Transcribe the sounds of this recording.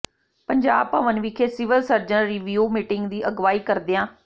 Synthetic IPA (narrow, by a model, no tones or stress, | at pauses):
pəɲd͡ʒaːb̚pəʋənʋiːkʰeːsɪʋəlsəɾd͡ʒənɾiʋiuːmɪʈɪŋɡd̪iːʔəɡʋaːiːkəɾd̪eːãː